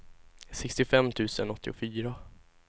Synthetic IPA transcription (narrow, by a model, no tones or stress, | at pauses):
sɛkst̪ɪfɛmːt̪ʰʉ̟ːsənɔt̪ʰːɪ̰ʊfyːɾa